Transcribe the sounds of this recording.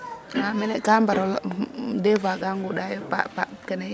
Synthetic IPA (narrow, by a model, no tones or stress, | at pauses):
aminɛɡambaɾoldevaɡaŋɡudajopa̰pakɛne